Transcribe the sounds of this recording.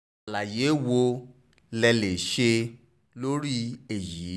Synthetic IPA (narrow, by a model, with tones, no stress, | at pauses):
la˨je˨˦wo˧ | lɛ˧le˨ʃe˧ | lo˦ɾi˦e˨jiː˨˦